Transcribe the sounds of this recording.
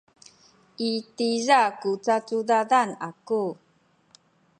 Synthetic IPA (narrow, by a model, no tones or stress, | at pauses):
ʔitizakut͡sat͡sudadanaku